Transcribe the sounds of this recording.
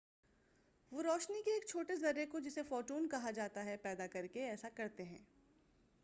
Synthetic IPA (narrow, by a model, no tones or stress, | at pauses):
ʋoɾɔːʃnikeːk̚t͡ʃʰoːʈes̬ɡɐɾekod͡ʒɪsefɔːɾʈuːnkɐɦad͡ʒaːt̪aɦɛpɛːd̪akɐɾkeɛːsakɐɾt̪eɦɛ̰̃ː